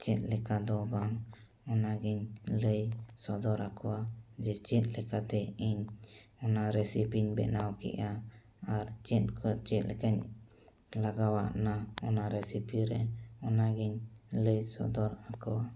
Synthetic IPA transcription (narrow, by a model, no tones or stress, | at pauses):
t͡ʃɛt̪̚lɛkad̪ɔbaŋ | ɔnaɡiɲləjsɔd̪ɔɾakɔwad͡ʒɛt͡ʃɛt̪̚lɛkat̪ɛiɲɔnaɾɛsipiɲbɛ̰nawkɛ̰ʔa | aɾt͡ʃɛt̪̚kʰɔt͡ʃɛt̪̚lɛ̰kaɲ | laɡawa̰ʔnaɔnaɾɛsipiɾɛɔnaɡiɲləjsɔ̰d̪ɔɾakɔwa